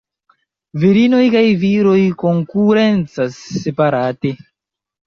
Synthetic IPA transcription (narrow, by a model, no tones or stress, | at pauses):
viɾino̞jkajviɾo̞jko̞ŋkuɾe̞nt͡sasːepaɾate̞